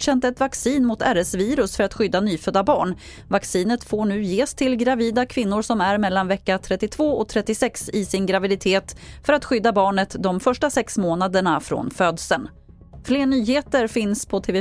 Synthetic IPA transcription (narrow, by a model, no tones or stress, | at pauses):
ɕɛnt̪ɛt̪vaksiːnmʊt̪æɾəsviːɾɵsfœɾat̪ɧʏd̪ːanyːfœd̪ːabɑ̰ːɳ | vaksiːnət̪foːɳʉ̟ːjeːst̪ʰɪlɡɾaviːd̪akʰvɪnːʊɾʂɔmæɾmɛlːanvɛkːat̪ʰɾɛt̪ːɪt̪ʰv̥oːɔk̚t̪ʰɾɛt̪ːɪsɛksɪsɪnɡɾavɪd̪ɪt̪ʰeːt̪fœɾat̪ɧʏd̪ːabɑːɳət̪d̪ɔmfœʂʈasɛksmoːnad̪əɳafɾo̰nføːd̪sən | fleːɳyːheːt̪əɾfɪnspʰɔt̪ʰeːvɛ